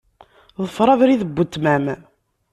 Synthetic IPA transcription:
ðˤəfːɾˤɑvɾiðəbːət̪ːmæm

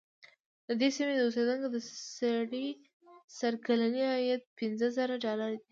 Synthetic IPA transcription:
d̪əd̪esimed̪əosed̪əŋkod̪əsaɽi | saɾkalaniajat̪̚pɪnzəzəɾaɖɑlaɾad̪i

